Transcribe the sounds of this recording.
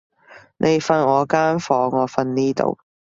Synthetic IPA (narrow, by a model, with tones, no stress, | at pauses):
nʔe˨˧jfɐ˧nŋɔː˨˧kaː˥nfɔː˨˧ŋːɔː˨˧fɐ˧nniː˥t̪o̰˨˧w